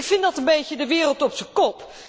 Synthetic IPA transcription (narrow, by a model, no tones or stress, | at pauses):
kfɪndɑtənbejcədəʋɪːrəlˠtɔpsəkɔp